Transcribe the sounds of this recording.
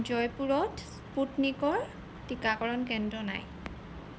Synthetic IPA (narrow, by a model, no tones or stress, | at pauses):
zɔjpuɹɔtsputnikɔɹ | tikakɔɹɔnkɛndɹɔna̰j